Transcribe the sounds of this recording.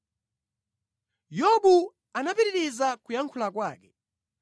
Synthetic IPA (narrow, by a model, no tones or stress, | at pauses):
jɔɓu | anapiɾiɾizakujaŋkʰulakwa̰ːkɛ